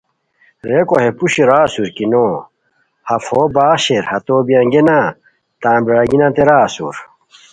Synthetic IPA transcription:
ɾekoɦepuɕiɾaːsuɾkino | hɐfoːbaːɕeɾhɐt̪oːbijãŋɡena | t̪ãːbiɾaɡinãt̪eɾaːsṵɾ

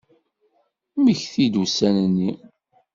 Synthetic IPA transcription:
məçθid̪usænənːi

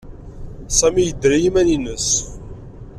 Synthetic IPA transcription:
sæmijəd̪ɾijimæninəs

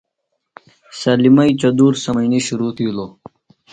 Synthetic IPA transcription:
sɐlimɐit͡ɕɐd̪uːɾsɐmɐiniɕuɾut̪ʰiulo

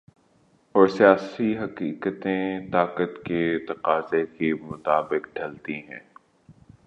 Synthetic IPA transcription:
ɔːɾsijaːsiɦɐqiːkət̪ẽt̪aːkət̪ket̪ɐqaːzekemʊt̪aːbɪqɖʱɐlt̪iɦɛ̰̃ː

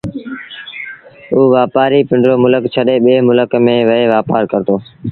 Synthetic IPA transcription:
uːʋaːpaːɾiːpɪɳɖɾoːmʊləkt͡ʃʰəɗeːɓeːmʊləkmẽːʋəeːʋaːpaːɾkəɾt̪oː

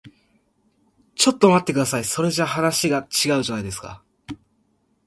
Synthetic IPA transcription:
t͡ɕo̞t̪ːomat̪ːe̞kɯd̪asaiso̞ɾe̞ʑahanaɕiɡat͡ɕiɡaɯ̟ʑot̪aid̪e̞sɨ̥ka̰

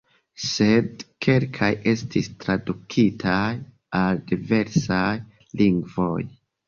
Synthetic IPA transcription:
se̞dkʰe̞lkʰaje̞stistɾadukʰitʰaj | aldive̞ɾsaj | liŋɡvo̞j

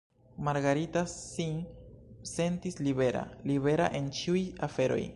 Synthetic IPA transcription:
maɾɡaɾitasin | se̞ntisliβeɾa̰liβe̞ɾa̰ʔe̞nt͡ʃiujafe̞ɾo̰j

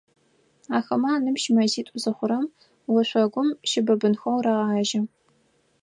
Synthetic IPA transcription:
aːxɐmaːnɨmʃmɐziːtʷʼʊzɐχʷʊɾɐm | wɐɕʷɐɡʷʊmʃɪbɐbɨnxɐwraʁaːʒɐ

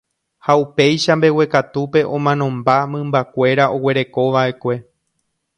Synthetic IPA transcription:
haupe̞jʃambe̞we̞kat̪upe̞ʔõ̞mãnõ̞mbamɨ̃mbakʷe̞ɾaʔo̞we̞ɾe̞ko̞ʋaʔe̞kʷe̞

